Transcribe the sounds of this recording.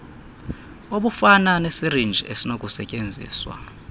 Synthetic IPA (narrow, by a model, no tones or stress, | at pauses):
oɓufananesirind͡ʒʱiʔesinok̬ʼusɛcʼend͡zʱḭːswa̰